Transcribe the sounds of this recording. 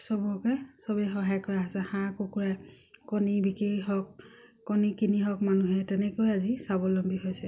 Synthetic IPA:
sɔbɔkɛsɔbɛxɔɦajkɔɹaɦasɛhãkukuɹa | kɔnibikiɦɔkː | ɔnikiniɦɔkmanuɦɛtɛnɛkojazisabɔlɔmbiɦojsɛ

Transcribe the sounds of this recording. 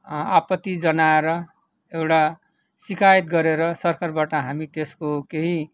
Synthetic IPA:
apʌt̪ːid͡zʌnaeɾʌ | ewʈa | sikʰait̪ɡʌɾeɾʌsʌrkarbaʈʌɦamit̪eskokeɦĩ

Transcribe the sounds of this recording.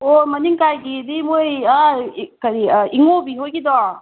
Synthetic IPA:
omɐniŋkajɡidimojakɐɾiiŋobiɦojɡid̪ɔ

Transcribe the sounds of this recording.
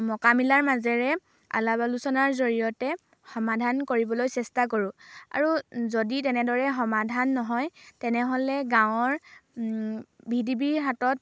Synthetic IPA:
mɔkamilaɹmazɛɹɛ | a̰labalusɔnaɹzoɹijɔtɛ | xɔmadʱankoɹibɔlojsɛstak̬oɹʊ̃a̰ɹuzoditɛnɛdɔɹɛxɔmadʱanːɔɦɔjtɛnɛɦolɛɡãw̃ɔɹ | bʱidibiɹɦatɔt̚

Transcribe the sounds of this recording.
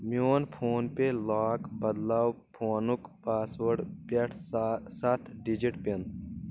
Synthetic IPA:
mjoːnpʰoːnpelaːkbɐd̪laːw | pʰoːnukpaːsʋɐɾɖpɐʈʰsat̪ʰɖid͡ʒiʈpen

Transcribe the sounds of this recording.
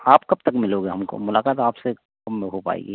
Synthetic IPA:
aːpkɐb̚t̪ɐkmɪloɡeɦɐmko̰mʊlaːkaːt̪aːpse | kɐmːeɦopa̰ːḛɡḭː

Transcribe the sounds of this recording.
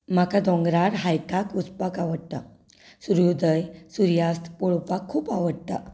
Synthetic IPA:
makad̪ɔ̃ŋɡɾaɽɦajkakut͡spakaʋəɽ̚t̪a̰ | suɾjud̪əjsuɾjast̪ʰpɔɭpakʰːuːpaʋəɽt̪a̰

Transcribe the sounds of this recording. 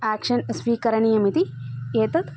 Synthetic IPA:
aːkʃɐnɐsʋiːkɐɾɐnijɐmit̪ieːt̪ɐt̪

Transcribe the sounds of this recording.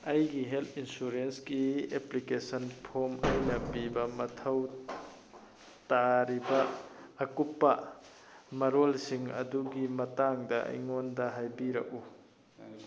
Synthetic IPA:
ɐjɡiɦelt̪ʰinsuɾenskieplikesɐnpʰomɐ̰jnɐpibɐmɐtʰɐw | taɾibɐːkupːɐ | mɐɾolsiŋɐ̰duɡimɐtaŋdɐʔɐ̰jŋondɐɦajbiɾɐ̰k̚u

